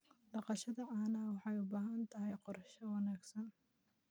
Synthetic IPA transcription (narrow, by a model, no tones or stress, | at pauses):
ɖɑqɑʃɐðɐʔaːnɐwɑħɑjʊbaːɦɐnt̪ʰɐɦɛjqɔrʃɐwɑnaːɡsɐn